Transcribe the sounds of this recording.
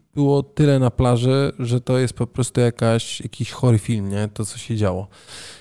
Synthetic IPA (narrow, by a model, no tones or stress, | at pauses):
b̥ɘwɔt̪ɘlɛnaplaʐɛʐɛt̪ɔjɛst̪̚pɔpɾɔst̪ujakaɕjakʲiɕxɔɾɘfʲilmɲɛt̪ɔt̪sɔɕɛd͡ʑawɔ